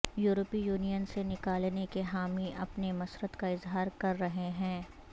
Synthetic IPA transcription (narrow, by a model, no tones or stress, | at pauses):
juːɾəpijuːnijənsenɪkaːlnekeɦaːmiɐpnemɐsɾət̪kaɪzɦaːɾkɐɾːɐɦeɦɛ̃ː